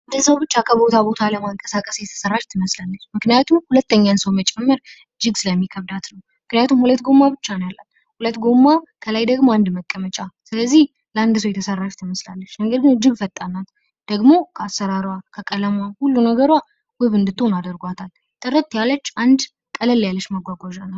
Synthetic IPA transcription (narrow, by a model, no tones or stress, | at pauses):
ɨnd̪ɨnsəwbɨt͡ʃːakʰəbo̞t̪ʰabo̞t̪ʰaləmaŋkʼəsakʼəsjɛt̪ʰə̥sərːaʃt̪ʰɨməslalːət͡ʃːmɨknijat̪ʰumhulət̪ːəɲːansəwmət͡ʃʼɛmːɨɾ | ɨd͡ʒːɨɡsɨləmːikʰəβd̪at̪nəw | mɨknɨjat̪ʰumhulət̪ɡo̞mːabɨt͡ʃːanjalːan | hulət̪ːɡo̞mːakʰəlajd̪əɡmoand̪məkʼːəmət͡ʃʼasɨləzːih | ləand̪ɨs̬əwjɛt̪ʰəsərːaʃt̪ʰɨməslalːət͡ʃːməɡəɾɡɨnɨd͡ʒːɪɡfət̪ʼːanːat̪ | d̪̥əɡmo̞kʰəasːəɾaɾwakʰəkʼələmahulːunəɡəɾwa | wɨβɨnd̪ɨt̪ʰːonad̪əɾɡʷat̪ʰal | t̪ʼɨrːət̪ːjalːət͡ʃːand̪ | kʼələlːjalːəʃmaɡʷaɡʷaʒanːal